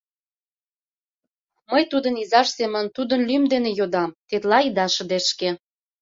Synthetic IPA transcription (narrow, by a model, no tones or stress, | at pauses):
məjt̪ud̪ə̆nizɑʃsemə̆nt̪ud̪ə̆nlymd̪enejod̪ɑmt̪et̪lɑid̪ɑʃə̆d̪eʃke